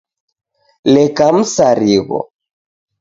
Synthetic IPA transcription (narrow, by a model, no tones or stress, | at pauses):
lɛkam̩saɾiɣɔ̰